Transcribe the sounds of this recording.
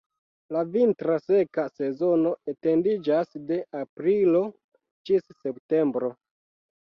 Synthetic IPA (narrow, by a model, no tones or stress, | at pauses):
lavintɾase̞kase̞zo̞no̞ete̞ndid͡ʒasde̞ʔapɾilo̞ | t͡ʃisːe̞pte̞mbɾo̞